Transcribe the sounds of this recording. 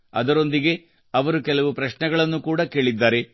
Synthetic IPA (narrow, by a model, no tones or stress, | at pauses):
ɐ̰d̪ɐɾo̞nd̪iɡe̞ | ɐʋɐɾukɛlɐʋupɾɐʃɳɛɡɐɭɐnːukuːɽɐke̞ːɭid̪ːaːɾe̞